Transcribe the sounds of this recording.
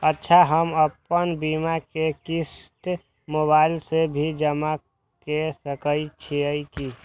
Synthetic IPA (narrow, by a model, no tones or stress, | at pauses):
ətːʃʰaɦəməpənbimakekist̪ | mobaːɪlsebʱid͡ʒəma | kesəkəit͡ʃʰiəiki